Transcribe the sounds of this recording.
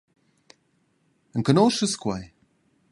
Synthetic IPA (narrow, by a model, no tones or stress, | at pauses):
ənkənoːʃəskwaj